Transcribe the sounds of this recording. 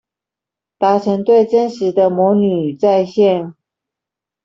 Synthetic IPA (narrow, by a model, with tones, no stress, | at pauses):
t̪a˧˥ʈ͡ʂʰə˧˥ŋt̪we˥˩ɪʈ͡ʂə˥nʂɻ̩˧˥d̪ə˧mɔ˧˥ny˨˩t͡sa˥˧ɪɕjɛ˥˩n